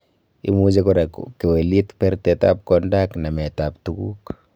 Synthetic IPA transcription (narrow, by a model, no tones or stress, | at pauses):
ḭmud͡ʒekɔɾekkewelit̪pɛɾteta̰p̚kɔndaknamɛtaptuɡuk